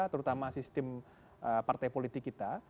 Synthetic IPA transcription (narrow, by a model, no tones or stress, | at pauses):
t̪əɾut̪amasist̪ɪm | ʔəpart̪ajpolit̪ɪkːit̪a